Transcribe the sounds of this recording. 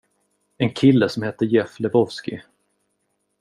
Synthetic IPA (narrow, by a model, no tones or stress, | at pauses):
ɛnkʰɪlːəsɔmhɛt̪ːəjɛflɛvɔvskɪ